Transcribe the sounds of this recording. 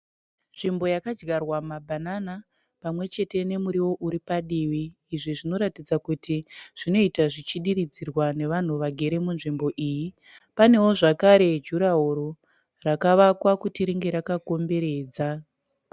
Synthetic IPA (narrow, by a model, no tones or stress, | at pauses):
nʐimbo̞jakad͡ʒɡarwamabʱanana | pamwe̞t͡ʃe̞te̞ne̞muɾiwo̞ʔuɾipaɗiːʋiː | ʐiʐino̞ɾatid͡zakutiʐ̥ino̞itaʐit͡ʃiɗiɾid͡zirwane̞ʋan̤uʋaɡʱe̞ɾe̞munʐimbo̞ʔiːji | pane̞woʐakaɾe̞d͡ʒuɾaɦoɾo | rakaʋakwakutiɾiŋɡe̞ɾakako̞mbe̞ɾe̞ːd͡za